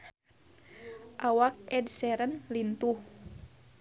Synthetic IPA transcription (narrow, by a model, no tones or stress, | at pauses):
ʔawak̚ɛdsɛɾənlint̪uh